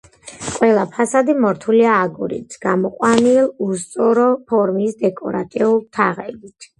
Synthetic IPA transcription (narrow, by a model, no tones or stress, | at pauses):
kʼwɛlˠapʰasad̪imɔɾt̪ʰuliaːɡuɾḭt̪sɡ̥amɔqʼwanilˠust̪sʼɔɾɔpʰɔɾmisd̪ɛkʼɔɾat̪ʼiulˠt̪ʰaʁɛbit̪ʰ